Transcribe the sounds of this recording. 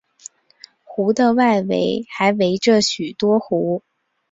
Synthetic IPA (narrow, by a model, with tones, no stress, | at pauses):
xu˧˥d̪ə˧wa˥˩ɪwḛ˧˥ɪxa˧˥ɪwe˧˥ɪʈ͡ʂə˥˧ɕy˨˩t̪wɔ˥xu˧˥